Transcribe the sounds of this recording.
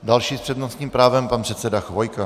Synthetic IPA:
dalʃiːspr̥ɛdnosɲiːmpɾaːvɛmpanpr̥ɛt̪sɛdaxvojka

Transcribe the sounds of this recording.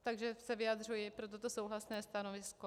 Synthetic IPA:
t̪aɡʒɛsɛvɪad̪r̝ujɪpɾo̞t̪̬o̞t̪o̞so̞wɦlasnɛːst̪anovɪsko

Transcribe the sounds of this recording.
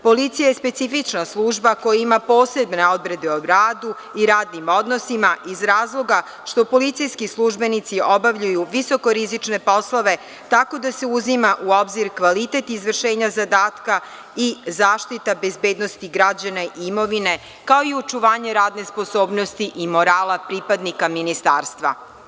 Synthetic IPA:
po̞lit̪sijajespe̞t̪sifit͡ʃnaslˠuʒbako̞jaimapo̞ːse̞bneo̞d̪ɾed̪eoɾaːd̪u | iɾaːd̪nimo̞d̪nosimaʔizɾaːzlˠo̞ɡa | ʃt̪o̞po̞lit̪sijskislˠuʒbe̞nit̪sio̞baʋʎujuʋiso̞ko̞ɾizit͡ʃne̞po̞slˠoʋe̞ | t̪ako̞d̪ase̞uzimaʔuo̞bziɾkʋalit̪e̞t̪izʋr̩ʃe̞ːɲazad̪aːt̪ka | izaːʃt̪it̪abe̞zbe̞ːd̪nost̪iɡɾad͡ʑanaʔimo̞ʋine̞ | kao̞iot͡ʃuʋaːɲe̞ɾaːd̪ne̞spo̞so̞ːbno̞st̪iʔimo̞ɾaːlapɾipad̪nikaminist̪aːɾst̪ʋa̰

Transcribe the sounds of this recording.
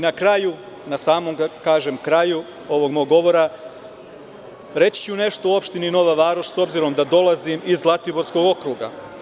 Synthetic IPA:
nakɾaju | nasaːmomɡakaːʒemkɾaju | o̞ʋo̞ɡmoɡːo̞ʋo̞ɾa | ɾe̞t͡ɕi̥t͡ɕune̞ʃt̪ouo̞pʃt̪inino̞ʋaʋaːɾoʃso̞bziɾo̞md̪ad̪o̞lˠazimizlˠat̪ibo̞ɾsko̞ɡo̞kɾuːɡa̰

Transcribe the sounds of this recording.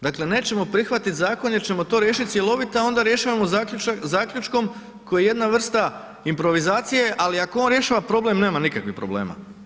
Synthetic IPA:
d̪akle̞ne̞ːt͡ɕe̞mo̞pɾixʋat̪it̪zaːko̞nje̞ɾt͡ɕe̞mo̞t̪o̞ːɾje̞ːʃit̪̚sjelˠo̞ʋit̪aao̞nd̪aɾje̞ʃaʋamozaːkʎut͡ʃko̞m | kojeje̞d̪naʋr̩st̪a | impɾo̞ʋizaːt̪sije̞ʔaliakoo̞nɾje̞ʃaːʋapɾo̞blˠe̞mne̞ːmanikakʋixpɾo̞ble̞ːma̰

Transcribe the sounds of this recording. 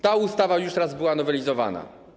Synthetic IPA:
t̪aust̪avajuʂt̪ɾazbɘwanɔvɛlʲizɔva̰na̰

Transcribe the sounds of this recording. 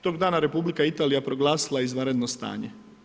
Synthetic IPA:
t̪o̞ɡd̪aːnaɾe̞publikait̪aːlijapɾo̞ɡlˠaːsilˠaizʋanɾed̪nost̪a̰ːɲe

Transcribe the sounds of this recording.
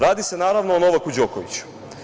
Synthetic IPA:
ɾaːd̪ise̞naːɾaʋnoːno̞ʋakud͡ʑokoʋḭt͡ɕu̥

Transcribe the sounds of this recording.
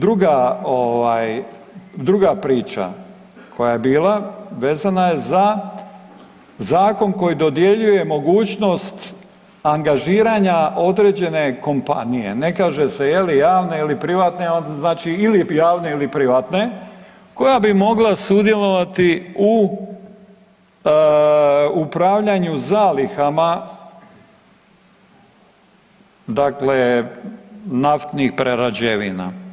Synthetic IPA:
d̪ɾuɡaoʋaːj | d̪ɾuɡapɾiːt͡ʃa̰ | kʰo̞jaje̞biːlˠaʋeːzanaje̞za | zaːko̞nko̞jid̪o̞d̪je̞ʎuje̞mo̞ɡuːt͡ʃno̞st̪ | aŋɡaʒiːɾaːɲaʔo̞d̪ɾe̞ːd͡ʑe̞ne̞ko̞mpa̰nije̞̰ne̞kaːʒe̞se̞je̞lijaːʋne̞ilipɾiʋat̪neonznaːt͡ʃiilijaːʋne̞ilipɾiʋat̪ne̞ | ko̞jabimo̞ɡlasud̪je̞lˠo̞ʋat̪iu | upɾaʋʎaɲuzaːlixama | d̪akle̞ | naft̪nixpɾeɾad͡ʑeʋḭna̰

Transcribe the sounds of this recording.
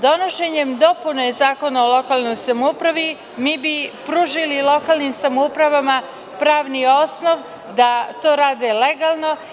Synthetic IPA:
d̪o̞no̞ʃeɲemd̪o̞punoezaːko̞naolˠo̞kaːlno̞jsamoupɾaʋi | miːbipɾuːʒililˠo̞kaːlˠnimsamoupɾaʋama | pɾaːʋnio̞sno̞ʋ | d̪at̪o̞ːɾaːd̪ele̞ɡalˠno̞

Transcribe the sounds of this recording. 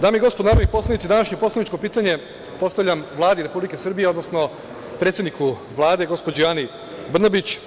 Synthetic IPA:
d̪aːmiɡo̞spod̪naːɾonikpo̞slˠanit̪sid̪anaʃɲopo̞slanit͡ʃko̞piːt̪aɲe̞ | po̞st̪aʋʎʲamʋlˠaːd̪iɾe̞publike̞sr̩bijeo̞d̪nosno̞ | pɾet̪sʲed̪niku | ʋlˠaːd̪e̞ɡo̞spo̞d͡ʑejaːni | br̩nabit͡ɕ

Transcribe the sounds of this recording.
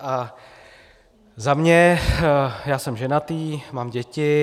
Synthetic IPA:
ʔa | zamɲɛ | jaːsɛmʒɛnat̪iːmaːmɟɛcɪ

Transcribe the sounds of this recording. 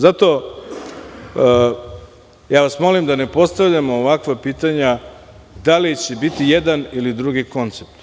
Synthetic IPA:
zat̪o̞ | jaːʋasmo̞limd̪ane̞po̞st̪aʋʎamoːʋakʋapiːt̪aɲa | d̪alit͡ɕe̞bit̪ijed̪anilid̪ɾuɡiko̞nt̪sep̚t̪

